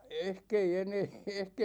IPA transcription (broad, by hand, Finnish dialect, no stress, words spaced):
ehk ei eneː ehk